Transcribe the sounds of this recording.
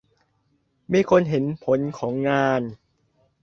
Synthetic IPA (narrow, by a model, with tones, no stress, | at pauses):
miː˧˥˩kʰo˧nɦe˩˦npʰo˩˦nkʰɔː˩˦ŋːaː˧n